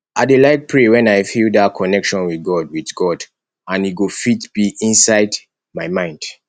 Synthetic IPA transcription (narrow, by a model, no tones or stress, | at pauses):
ʔaɪdelaɪk̚pʰɹewɛ̃najfildatkʰɔnɛkʃɔ̃nwiθɡɔd̚wiðɡɔd | ãnhiɡufitb̥iĩnsaɪd | majmãɪ̃nd̥